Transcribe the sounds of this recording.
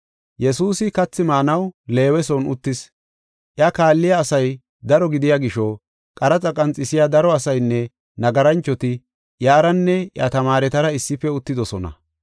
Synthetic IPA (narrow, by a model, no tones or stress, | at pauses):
jɛsuːsɪkɐt͡sːɪmaːnɐwle̞ːwɛsɔnʊt̪ːɪs | ʔjɐkaːlːɪjaːsɐj | d̪ɐɾɔɡɪd̪ɪjaːɡɪʃɔ | kʼɐɾɐt͡sʼɐkʼɐnt͡sʼːɪsɪjad̪ɐɾɔɐsɐjnːɛ | nɐɡɐɾɐnt͡ʃːɔt̪ɪ | jaːɾɐnːɛjɐt̪ɐmaːɾɛt̪ɐɾɐɪsːɪfːɛʊt̪ːɪd̪ɔsɔnɐ̰